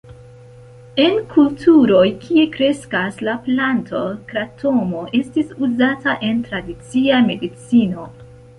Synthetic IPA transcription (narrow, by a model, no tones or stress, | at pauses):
e̞nkʰultʰuɾo̞jkʰie̞kɾe̞skaslaplantʰo̞kɾatʰo̞mo̞ʔe̞stisuzataʔe̞ntɾadit͡siame̞dit͡sino̞